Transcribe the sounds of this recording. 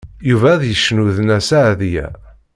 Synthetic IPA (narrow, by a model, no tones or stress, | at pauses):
juvæðjəʃːnuðnæsaʕðjæ̰